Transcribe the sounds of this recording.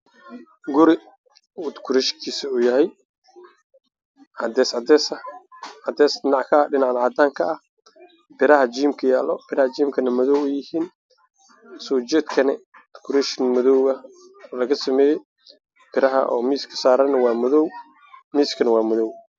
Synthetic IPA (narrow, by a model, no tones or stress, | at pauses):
ɡʊɾɪ | ʊd̪kʰʊɾɛʃkʰiːsɐuːjɐɦɛj | ʕɑd̪ɛːsɑd̪ɛsɐɑd̪ɛːsdɪnɑʕkʰɐɖɪnɑʕnʕɑːd̪aːŋkʰɐɐh | pʰɪɾɐɦɐt͡ʃiːmkʰɐjaːlɔpʰɪɾɐhɐt͡ʃiːmkʰɐnɐmɐðɔwɛjɪhiːn | sɔːt͡ʃɛd̪kʰɐnɛd̪kʰʊɾɛʃnmʊðɔwɐ | lɐɣɐsɐmɛːjɛj | pʰɪɾɐɦɐ̰ʔɔ̰ːmiːskʰɐ̥saːɾɐnɐwɑːmʊðɔw | miːskʰɐnɐwɑːmɔðɔw